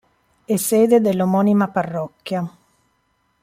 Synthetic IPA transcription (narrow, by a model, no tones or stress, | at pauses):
eseːd̪ed̪elːomɔnimaparːɔkːja